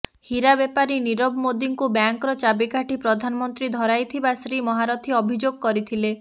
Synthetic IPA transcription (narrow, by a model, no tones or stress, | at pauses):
hiɾabepaɾiniɾɔbmod̪iŋkubjaŋkɔɾɔt͡ʃabikaʈipɾɔd̪ʱanɔmɔnt̪ɾid̪ʱɔɾajt̪ʰibasɾimɔɦaɾɔt̪ʰiɔbʱid͡ʒoɡɔkɔɾit̪ʰile